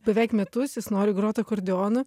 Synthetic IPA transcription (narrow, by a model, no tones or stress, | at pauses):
bʲɛʋʲɛˑɪkmʲɛt̪ʊsjɪsnoːɾʲɪɡɾoːt̪ɐkɔɾʲd̪ʲɪoːnɐ